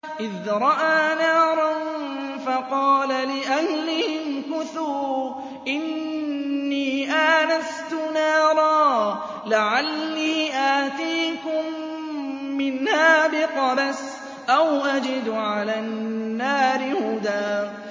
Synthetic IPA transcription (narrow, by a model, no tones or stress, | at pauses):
ʔɪðɾˤɑʔaːnaːɾˤɑn | fɑqɑːlalɪʔahlɪhɪnkʊθuː | ʔɪnː | iːʔaːnast̪ʊnɑːɾˤɑː | laʕalːiːʔaːt̪iːkʊmː | ɪnhaːbɪqɑɾas | ʔawʔad͡ʒɪd̪ʕalaːnnːaːɾɪhʊd̪aː